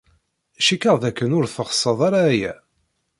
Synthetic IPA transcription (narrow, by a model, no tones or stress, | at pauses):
ʃikːəʁðækːənʊɾθəχə̥sˤːəðˤaɾaːjæ̰